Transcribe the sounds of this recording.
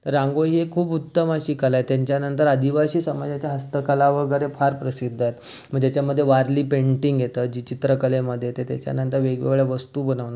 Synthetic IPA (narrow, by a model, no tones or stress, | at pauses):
t̪əɾːãŋɡoɦiekʰuːput̪ːəməɕiːkəlajt̪jaɲt͡ɕjanənt̪əɾad̪iʋaɕiːsəmad͡ʑat͡ɕjaɦəst̪əkəlaʋəɡəɾefʰaɾpɾəsid̪ʱːajt̪m̤əɡd͡ʑat͡ɕjaməd̪ʱːjeʋaɾliːpeɳʈiŋɡjet̪əd͡ʑiːt͡ɕit̪ɾəkəleməd̪ʱːjet̪et̪ja̰t͡ɕja̰nənt̪əɾʋeɡʋḛɡɭeʋəst̪uːbənəʋna